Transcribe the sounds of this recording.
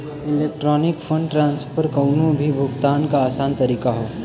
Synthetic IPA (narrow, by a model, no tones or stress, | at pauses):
ɪlek̚ʈɾɔːnɪkpʰəɳɖʈɾãːnspʰəɾkəʊnõbʱibʱʊɡt̪aːnkaːsaːnt̪əɾikaɦoː